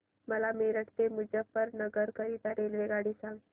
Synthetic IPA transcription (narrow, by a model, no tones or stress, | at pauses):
məlameɾəʈt̪emud͡ʒəpːəɾnəɡəɾkəɾiːt̪aɾelʋeɡaɽiːsãŋɡ